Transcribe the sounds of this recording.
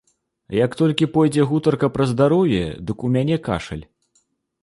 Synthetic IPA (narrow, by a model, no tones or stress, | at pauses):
jɐkt̪ɔlʲkʲipɔjd͡zʲɛɣut̪ɐrkɐpɾɐzd̪aɾɔwjɛ̰d̪ɨkumʲanʲɛka̰ʂɐ̰lʲ